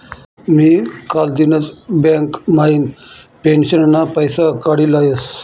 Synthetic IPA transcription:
mikald̪inət͡sbɛŋkmain | penɕənnːapəjsakaɽilajəs

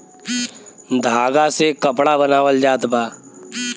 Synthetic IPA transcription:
d̪ʱaːɡasekəpɽabənaːwəld͡ʒaːt̪baː

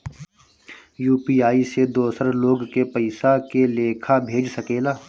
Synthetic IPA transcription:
juːpiːaːised̪oːsəɾloːɡkepəɪsakeleːkʰabʱeːd͡ʒsəkeːlaː

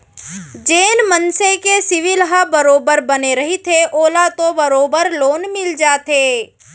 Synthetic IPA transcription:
d͡ʒeːnmənsekesɪʋɪlɦabɐɾoːbəɾbɐneɾɐɦit̪ʰeʔoːlat̪õbɐɾoːbəɾloːnmɪld͡ʒaːt̪ʰeː

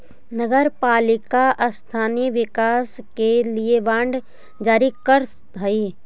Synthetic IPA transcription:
nəɡəɾpaːlɪkaʔɐst̪ʰaːniʋɪkaːskelieʋãːɳɖ | d͡ʒaːɾikəɾ | ɦɐi

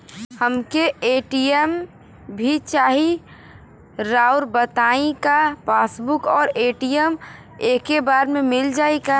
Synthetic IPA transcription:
həmkeeːʈijem | bʱit͡ʃaːɦi | ɾaːʊɾbət̪aːĩkapaːsbʊkɔːɾeːʈijəm | eːkebaːɾmẽmɪld͡ʒaːeɡa

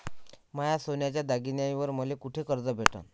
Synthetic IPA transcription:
majasonjat͡ɕjad̪aɡinjaĩʋəɾməlekuʈʰekəɾd͡zəbʱeʈə̰n

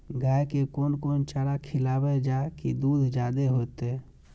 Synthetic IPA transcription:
ɡaːjkekoːnkoːnt͡ʃaːɽakʰɪlaːbed͡ʒakid̪uːd̪ʱd͡ʒaːd̪eɦoːt̪e

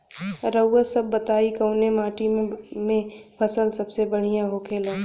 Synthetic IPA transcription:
ɾəwːəsəbːət̪aːikəʊnemaːʈĩmẽpʰɐsəlsɐbsebəɽ̤ijãɦokʰeːlãː

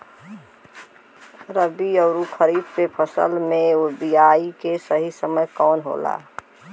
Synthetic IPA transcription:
ɾəbiɔːɾukʰəɾiːd̪̚kepʰəsə̰lmẽobijaːikesəɦisəməjkɔːnɦo̰ːla̰ː

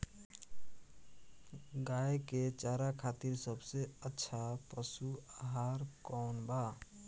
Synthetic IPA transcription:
ɡajeket͡ʃaɾakʰat̪iɾsəbseətːʃʰapəsuaɦaɾkɔwnba

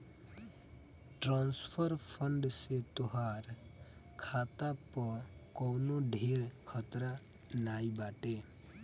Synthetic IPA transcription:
ʈɾãːnspʰəɾpʰəɳɖset̪oɦaːɾkʰaːt̪apɔkɔnoɖʱiːɾkʰət̪ɾa | naːibaːʈe

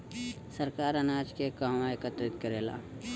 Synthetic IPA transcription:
səɾkaːɾɐnaːd͡ʒkekaːmaɪkət̪ɾɪt̪kəɾeːla̰ː

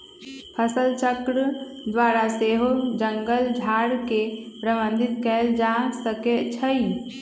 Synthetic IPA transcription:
pʰəsəlt͡ʃəkɾəd̪ʋaːɾaseːɦod͡ʒəŋɡəld͡ʒʱaːɽkepɾəʋə̃nd̪ʱɪt̪kɛld͡ʒãsəket͡ʃʰəi

